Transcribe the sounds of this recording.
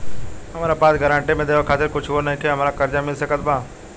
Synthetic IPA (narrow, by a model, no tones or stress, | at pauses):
ɦəmaːɾapaːsɡəɾãːɳʈemẽd̪eːʋokʰaːt̪ɪɾkʊt͡ʃʰoːnəɦĩkʰeəmaːɾakəɾd͡ʒamɪlsəkət̪bãː